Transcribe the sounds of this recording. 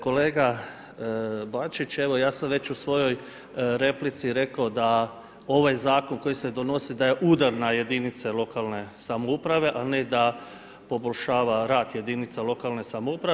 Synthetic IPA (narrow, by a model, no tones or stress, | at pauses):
ko̞leːɡa | bat͡ʃit͡ɕe̞ʋo̞jaːsamʋe̞t͡ɕusʋo̞jo̞j | ɾe̞plit̪siɾe̞kaod̪a | o̞ʋajzaːko̞nko̞jise̞d̪o̞no̞sid̪aje̞ʔuːd̪aɾnaje̞d̪init̪selo̞kalne̞samoupɾaʋe̞ʔane̞d̪a | po̞bo̞ʎʲʃaːʋaɾaːd̪je̞d̪init̪salo̞kalˠne̞samoupɾa